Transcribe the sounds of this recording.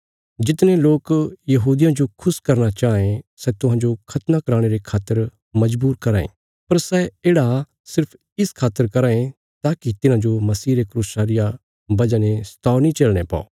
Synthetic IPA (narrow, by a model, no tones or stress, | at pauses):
d͡ʒɪt̪neloːkjɐɦuːd̪ɪjãd͡ʒokʰʊskɐɾnat͡ʃaːẽsɛt̪ʊɦãd͡ʒokʰɐt̪nakɐɾaːɽ̃eɾekʰaːt̪ːəɾ | mɐd͡ʒbuːɾkɐɾaːḛ̃ː | pɐɾsɛeːɽa | sɪɾpʰ | ɪskʰaːt̪əɾkɐɾaːẽ | t̪aːkit̪ɪnãd͡ʒomɐsiːɾekɾuːsaːɾɪja | bɐd͡ʒanest̪aːnĩt͡ʃelɽ̃epa̰ːo̰ː